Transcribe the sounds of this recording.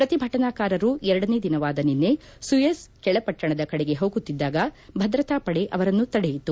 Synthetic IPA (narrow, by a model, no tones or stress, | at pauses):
pɾɐt̪ibʱɐʈɐnaːkaːɾɐɾuɛɾɐɽɐne̞ːd̪inɐʋaːd̪ɐninːe̞ | sujeskɛɭɐpɐʈːɐɳɐd̪ɐkɐɽeɡe̞ɦoːɡut̪ːid̪ːaːɡɐbʱɐd̪ɾɐt̪aːpɐɽeʔɐʋɐɾɐnːut̪ɐɽejit̪ːu